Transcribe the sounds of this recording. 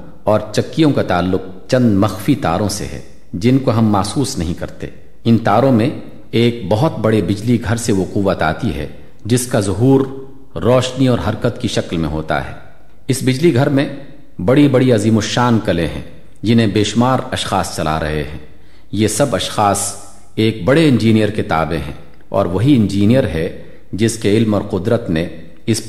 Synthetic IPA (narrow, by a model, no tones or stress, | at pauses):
ɔːɾt͡ʃɐkːijõkat̪aːlːʊq̚ | t͡ʃɐ̃nd̪mɐxfit̪a̰ːɾõsḛɦɛ̰ː | d͡ʒɪnkoɦɐmːaːsuːsnɐɦĩkɐɾt̪ḛː | ɪnt̪aːɾõmẽ | eːk̚bɐɦʊt̪bɐɽebɪd͡ʒliɡʱɐɾseʋoquːʋːət̪a̰ːt̪iɦɛ̰ | d͡ʒɪskazʊɦuːɾː | ɔːʃniɔːɾɦɐɾkət̪kiʃɐklmḛ̃ɦoːt̪a̰ɦɛ̰ː | ɪsbɪd͡ʒliɡʱɐɾmẽ | bɐɽibɐɽiɐziːmʊʃaːnkɐlẽɦɛ̰̃ː | d͡ʒɪnɦẽbeːʃmaːɾɐʃxaːst͡ʃɐla̰ɾɐ̰ɦḛɦɛ̰̃ː | jeːsɐbɐʃxaːs | eːk̚bɐɽeɪ̃nd͡ʒiːnijəɾkɪt̪a̰ːbẽɦɛ̰̃ː | ɔ̰ːɾʋɐɦiɪ̃nd͡ʒiːnijəɾɦɛ | d͡ʒɪskeɪlmɔːɾqʊd̪ɾət̪ne | ɪs